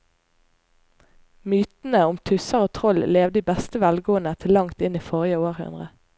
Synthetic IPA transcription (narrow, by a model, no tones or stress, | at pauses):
myːt̪n̩əʊmt̪ʰʉsəʁoːt̪ʰʁɔlleːʋd̪iːbɛst̪əʋælɡoːənət̪ʰɪlːɑŋt̪ɪniːfɔʁɪjəoːʁhʉ̰nʁə